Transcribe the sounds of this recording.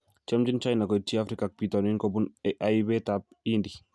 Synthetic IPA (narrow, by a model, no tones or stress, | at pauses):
t͡ʃamd͡ʒint͡ʃajnakɔt͡ʃiafɾikak̚pitɔninkɔbunɛʔajbɛtap̚ | indi